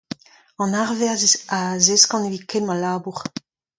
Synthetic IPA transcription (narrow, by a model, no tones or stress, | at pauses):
ɑ̃naʁvɛʁzazeskɑ̃nevikenmalaːbuʁ